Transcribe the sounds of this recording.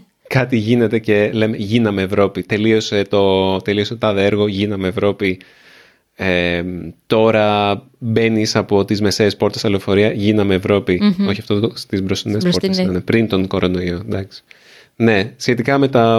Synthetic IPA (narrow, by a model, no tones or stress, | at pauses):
kɐt̪iʝine̞t̪e̞ce̞le̞meʝinɐmeːvɾo̞pit̪e̞lio̞set̪o̞t̪elio̞set̪ot̪ɐðeeɾɣo̞ʝinɐmeːvɾo̞pi | et̪o̞ɾɐ | be̞nisɐpo̞t̪izme̞se̞ːspo̞ɾt̪esɐlo̞fo̞ɾiɐʝinɐmeːvɾo̞pioçiɐft̪oðt̪ost̪izbɾosinesoɾesɐnepɾint̪o̞ŋko̞ɾono̞iod̪ɐksi̥ | ne̞sçe̞t̪ikɐme̞t̪ɐ